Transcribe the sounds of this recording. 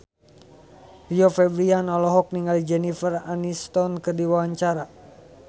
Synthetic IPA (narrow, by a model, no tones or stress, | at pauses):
piɔfɛbɾianɔlɔɦɔk̚niŋɡalid͡ʒɛnifəranist̪ɔnkɨrdiwawaɲt͡ʃaɾa